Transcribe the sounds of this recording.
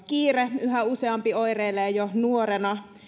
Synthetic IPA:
kiːreyɦæuseɑmpioireːlːˑejonuorenɑ

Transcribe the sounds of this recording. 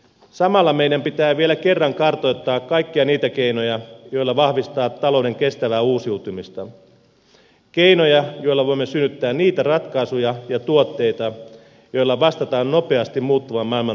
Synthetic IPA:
sɑmɑlːɑme̞jdæmpit̪æːʋielæke̞rːɑŋkɑrt̪ojt̪ːɑːkkɑjkːiɑniːt̪æk̟eino̞jɑjo̞jlːɑʋɑhʋist̪ɑːt̪ːɑlo̞wde̞ŋk̟e̞st̪æʋæːuːsiut̪umist̪ɑ | k̟e̞ino̞jɑjo̞ilːɑʋo̞imːesynːyt̪ːæːnniːt̪ærɑt̪kɑisujɑjɑt̪uot̪ːe̞jt̪ɑ | jo̞ilːɑʋɑst̪ɑt̪ɑːnno̞pe̞ɑst̪immuːt̪ːuʋɑmːɑilmɑ

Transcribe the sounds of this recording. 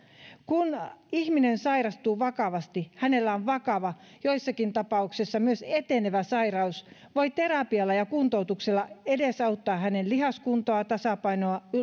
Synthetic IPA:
kunihminensɑirɑst̪uːʋɑkɑʋɑst̪ihænelːæoʋʋɑkɑʋɑ | joisːɑkint̪ɑpɑuksisːɑmyøset̪eneʋæsɑirɑusʋoit̪eɾɑpiɑlːɑjɑkunt̪out̪ukselːɑedesɑut̪ːɑːhænellihɑskunt̪oɑt̪ɑsɑpɑinoɑ

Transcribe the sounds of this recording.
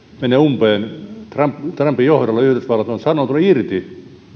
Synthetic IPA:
meneumpeːnt̪rɑmpt̪rɑmpːijohrolːɑyhyd̪esʋɑlɑt̪onsɑnoːt̪uleirt̪i

